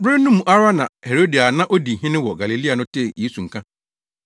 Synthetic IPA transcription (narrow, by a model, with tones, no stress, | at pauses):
bɾɪ˦nʊ̃˦mũ˨ʔa˦ɾa˦nã˨he˨ɾo˦di˨a˨nã˦ʔo˦di˨ɦɪ̃˦nɪ̃˦wɔ˨ɡa˨li˨li˦a˨nʊ̃˦tʰe˦˨je˦su˨ŋ̩˨kʰã˦